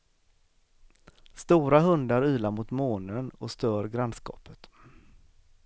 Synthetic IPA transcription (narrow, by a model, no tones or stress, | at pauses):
st̪uːɾahɵnd̪aɾyːlaɾmʊt̪moːnənɔst̪œːɾɡɾanskɑ̰ːpət̪